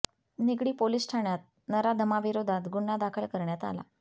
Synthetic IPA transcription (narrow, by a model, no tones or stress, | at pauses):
niɡɽiːpolisʈʰaɳjat̪̚ | nəɾad̪ʱəmaʋiɾod̪ʱat̪ɡuɳːad̪akʰəlkəɾɳjat̪a̰la̰